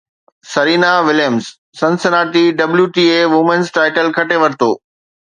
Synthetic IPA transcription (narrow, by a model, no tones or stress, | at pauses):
sɐɾiːnaʋɪljəmzː | ɐ̃nsɪnaːʈiɖɐbljuʈiːeːʋʊmənsʈaːɪʈəlkʰɐʈeʋɐɾt̪o̰ː